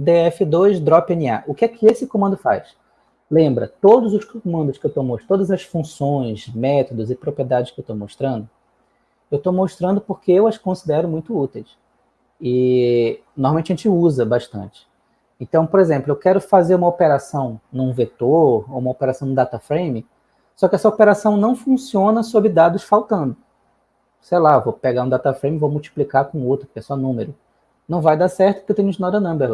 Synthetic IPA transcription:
d̪eɛfɪd̪ojʃd̪ɾɔpẽnia̰ʔʊkɪɛkʰɪesɪkõmɐ̃nd̪ʊfa̰js | lẽmbɾɐ̰t̪od̪ʊzʊskõmɐ̃nd̪ʊskɪewt̪omot̪t̪od̪ɐzɐsfũsõj̃zmɛt̪od̪ʊzɪpɾopɾied̪ad͡ʒɪʃkɪewt̪omoʃt̪ɾɐ̃nd̪ʊ | ewt̪omoʃt̪ɾɐ̃nd̪ʊpoχkeewɐskõsid̪ɛɾʊmũj̃t̪ʊut̪ejs | ɪ | nohmawmẽt͡ʃɐʒẽt͡ʃɪuzɐbaʃt̪ɐ̰̃nt͡ʃɪ̥ | ẽnt̪ɐ̃w̃poɾezẽmplʊewkɛɾʊfazeɾũmɐopeɾasɐ̃w̃nũvet̪oɾoũmɐopeɾasɐ̃w̃nʊ̃d̪at̪afɾejmɪ | sɔkɪɛsɐopeɾasɐ̃w̃nɐ̃w̃fũsiõnɐsobɾɪd̪ad̪ʊsfawt̪ɐ̃nd̪ʊ | sejlavopeɡaɾũd̪at̪afɾẽj̃mivowmuwt͡ʃi̥plikakõowt̪ɾʊpʊ̥kɛsɔnũmeɾʊ | nɐ̃w̃vajd̪asɛht̪ʊpʊ̥ket̪ẽɲ̃ũt͡ʃnɔdɾɐnɐ̃mbeɾl

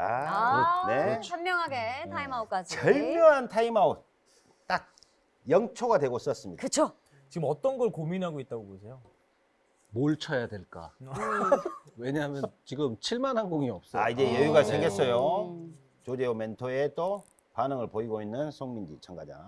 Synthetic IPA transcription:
a | ne̞ʌmːjʌŋɦaɡetʰaimaok͈ad͡ʑiʌɭmjʌŋɦantʰaimao | t͈ak̚ | jʌŋt͡ɕʰoɡadwe̞ɡos͈ʌs͈ɯmɲḭdakɯt͡ɕʰo | t͡ɕiɡɯmʌt͈ʌnɡʌɭkominɦaɡoit̚t͈aɡobosʰe̞jo | moɭt͡ɕʰʌjadwe̞ɭk͈a̰ | weɲaɦmjʌnt͡ɕiɡɯmt͡ɕʰiɭmanɦanɡoŋiʌp̚s͈ʌaid͡ʑe̞jʌjuɡat͡ɕeŋɡets͈ʌjo | t͡ɕod͡ʑe̞ome̞ntʰoet͈o | panɯŋɯɭpoiɡoinːɯnsʰoŋmind͡ʑḭt͡ɕʰʌŋɡad͡ʑa̰

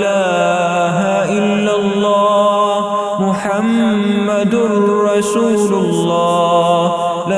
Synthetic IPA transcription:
laː | ɦaʔɪlːalːɑː | mʊħamː | ad̪ɾɑsuːlʊlːɑː | la

